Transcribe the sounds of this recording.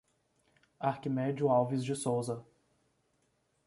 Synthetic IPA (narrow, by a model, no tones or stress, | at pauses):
aɾkimɛd͡ʒʊawvizd͡ʒɪsowzɐ